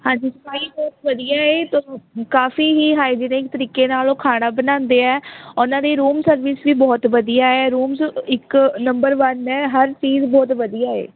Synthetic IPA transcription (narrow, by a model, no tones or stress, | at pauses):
hãːɲd͡ʒiːskaːibɔːt̪ʋəd̪ijaːeːt̪oːkaːfiːɦiːɦaːid͡ʒɪnẽːɪk̚t̪əɾiːkeːnaːloːkʰaːɽ̃aːbənãːnd̪eːɛːʊnãːd̪eːɾuːmsəɾʋɪsʋiːbɔːt̪ʋəd̪ijaːɛːɾuːmsɪknəmbəɾʋənɛːɦəɾt͡ʃiːzbɔːt̪ʋəd̪ijaːḛː